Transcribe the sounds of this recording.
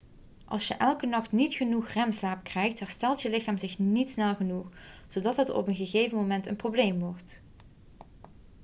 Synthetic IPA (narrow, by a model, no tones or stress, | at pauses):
ʔɑ̰lˠsjəʔɛlˠkənɑχtnitχənuχrɛmslaːp̚krɛjxtɦɛɹstɛlˠtjəlɪxaːmzɪxnitsnɛlˠχənuxz̥odɑtɦətɔ̰pənɣəɣejvənmomɛntənproblejmʋɔɹt